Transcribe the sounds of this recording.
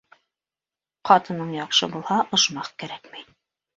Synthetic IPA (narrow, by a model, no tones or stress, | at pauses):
qɑt̪ɤ̆nɤɴjɑqʃɤbulˠhɑʔŏʃmɑqkæɾækmin